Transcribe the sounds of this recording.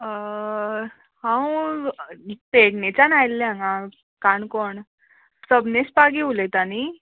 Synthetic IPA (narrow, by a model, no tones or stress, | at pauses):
hãw | t̪eʈnet͡ɕanajlːeãŋã | kaɳkɔɳ | səbnespaɡiulet̪ani